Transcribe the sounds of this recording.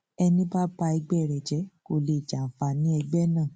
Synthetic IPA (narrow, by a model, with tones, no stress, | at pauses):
ɛ˧nĩ˦ba˦ba˧i˧ɡ͡bɛ˦˨ɾɛ˨d͡ʒɛ˨˦ko˨le˧˨d͡ʒa˨fa˧˨nĩ˨˦ɛ˧ɡ͡bɛ˦nãː˦˨